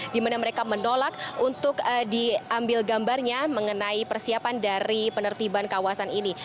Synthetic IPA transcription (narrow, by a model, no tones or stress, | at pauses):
dimanaməɾekamənolak̚unt̪ʊk̚diʔambɪlɡambarɲaməŋənaipərsiapandaɾipənərt̪ibankawasanini